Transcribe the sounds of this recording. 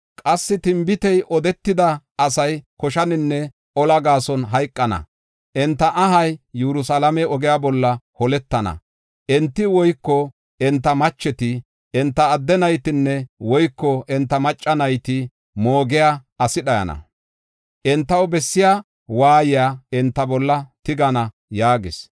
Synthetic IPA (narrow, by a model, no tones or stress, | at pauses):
kʼɐsːɪt̪ɪmbɪt̪ɛjʔɔd̪ɛt̪ːɪd̪ɐɐsɐjkɔʃɐnɪnːɛ | ʔɔlɐɡaːsɔnɦɐjkʼːɐnɐ̰ | ʔɛnt̪ːɐʔɐɦɐjːɛɾʊsalɐmɛɔɡɛjabɔlːɐhɔlɛt̪ːɐnɐ̰ | ʔɛnt̪ːɪwɔjkːɔ | ɛnt̪ːɐmɐt͡ʃːɛt̪ɪ | ɛnt̪ːɐːd̪ːɛnɐjt̪ɪnːɛwɔjkːɔʔɛnt̪ːɐmɐt͡ʃʼːɐnɐjt̪ɪ | moːɡɪjaɐsɪɗɐjɐ̰nɐ̰ | ʔɛnt̪ːɐwbɛsːɪjaː | waːjɪjaːɛnt̪ːɐbɔlːɐt̪ɪɡɐnɐ | jaːɡɪs